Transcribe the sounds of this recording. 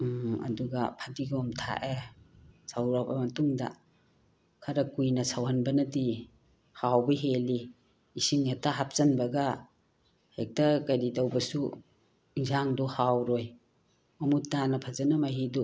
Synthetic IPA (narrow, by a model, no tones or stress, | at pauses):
ɐ̰duɡɐpʰɐdiɡɔmtʰa̰ʔe | sawɾabɐmɐtuŋdɐ̰ | kʰɐɾɐkujnɐsawhɐnbɐnɐdi | hawbɐɦeli | isiŋetaɦap̚sɐnbɐɡɐ | hek̚tɐkajɾidɐwbɐsu | iŋzaŋdɔhawɾoj | mɐmutːanɐpʰɐzɐnɐmaɦidu